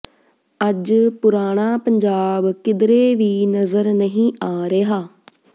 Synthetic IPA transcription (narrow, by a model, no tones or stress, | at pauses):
əd͡ʒpʊɾaːɽ̃aːpəɲd͡ʒaːbkɪd̪ɾeːʋiːnəzəɾnəɦĩːʔaːɾeːɦaː